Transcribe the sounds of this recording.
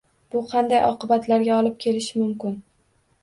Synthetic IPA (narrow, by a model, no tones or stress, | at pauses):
b̥ʊqʰɑnd̪ajʔɒ̰qɨbat̪laɾɡʲaɒlˠɪp̚kʲʰe̞lɪʃɪmʊmkʲɪn